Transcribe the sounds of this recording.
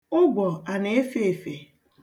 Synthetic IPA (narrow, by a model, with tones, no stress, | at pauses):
ʊ˦ɡʷɔ˨a˨ne˦e˦fe˦e˨fe˨